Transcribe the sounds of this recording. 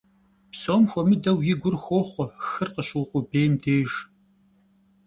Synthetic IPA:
psoːmxʷɔmɨdɐwjɪɡʷʊrxʷoːχʷɔxɨrqəɕɨwqʷʊbeːmdeːʒ

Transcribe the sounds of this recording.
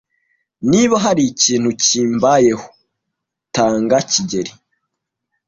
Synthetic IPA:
niβaɦaɾiciːn̥huciːmbaje̞ho̥ | taːŋɡaciɟe̞ɾi

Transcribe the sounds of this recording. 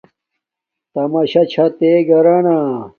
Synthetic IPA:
t̪ɐmɐɕɐt͡ɕʰɐt̪eɡɐɾaːnaː

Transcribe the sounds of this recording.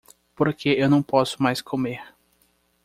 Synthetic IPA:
poɾkʰeewnɐ̃w̃pɔsʊ̥majskʰomeɾ

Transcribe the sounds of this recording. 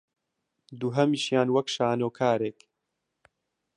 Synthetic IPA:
d̪uːɦɐmiːʃjaːnwɐkʃaːnoːkʰaːɾeːk

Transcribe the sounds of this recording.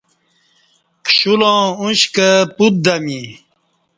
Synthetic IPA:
kɕulõːuɕkəput̪̚d̪ami

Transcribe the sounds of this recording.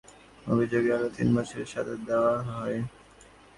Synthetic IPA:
obʱid͡ʑoɡealot̪ḭnbat͡ɕʰeɾʃad̪ad̪ewaɦɔe

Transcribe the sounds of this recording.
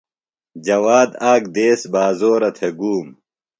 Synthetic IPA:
d͡ʑɐwaːd̪aːk̚d̪eːsbaːzoːɾɐt̪ʰeɡuːm

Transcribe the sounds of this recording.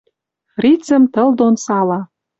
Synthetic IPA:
frit͡sə̆mt̪ɤ̆ld̪onsɑlɑ

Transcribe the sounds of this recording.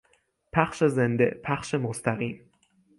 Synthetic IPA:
pʰæxʃe̞zend̪ḛpʰæxʃemost̪æɣiːm

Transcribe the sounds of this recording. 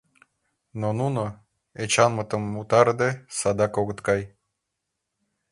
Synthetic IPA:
nonuno | et͡ɕɑnmət̪əmːut̪ɑɾd̪esɑd̪ɑkoɣə̆t̪kɑj

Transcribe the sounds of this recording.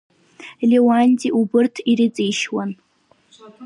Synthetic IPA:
lewanʲtʼiʔubɨrtʰiɾit͡sʼijʃwan

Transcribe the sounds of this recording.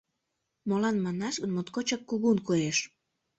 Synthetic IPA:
molɑnmɑnɑʃɣənmot̪kot͡ɕɑkːuɣunkoeʃ

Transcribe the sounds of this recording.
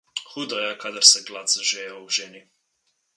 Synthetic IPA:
xud̪ɔjɛkad̪əɾsɛɡlat̪sʒɛjauʒɛni

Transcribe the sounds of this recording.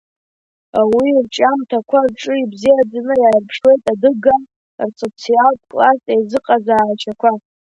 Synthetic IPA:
awirt͡ʃʼamtʰakʷʰarʈ͡ʂʼɨibzijad͡zanɨjaːrpʰʂwe̞jtʼadɨɡa | rsʼot͡sʰialtʼkʼlasʼejzɨqʼazaːt͡ʃʰakʷʰa

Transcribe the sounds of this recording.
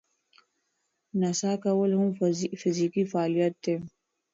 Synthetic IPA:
nɐsaːkɐwɐlɦũfɪziːkifaːlijət̪ːe

